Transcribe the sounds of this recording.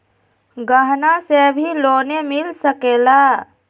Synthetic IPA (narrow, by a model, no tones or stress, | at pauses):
ɡəɦnasebʱiloːnemɪlsəkeːlaː